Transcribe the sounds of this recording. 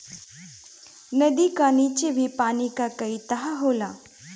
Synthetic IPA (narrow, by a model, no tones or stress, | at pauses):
nəd̪ikanit͡ɕeʋʱipanikakəit̪əɦaɦola